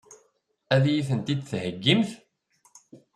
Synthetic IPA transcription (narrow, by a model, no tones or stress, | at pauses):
æðjiθənt̪id̪θhəɡːimθ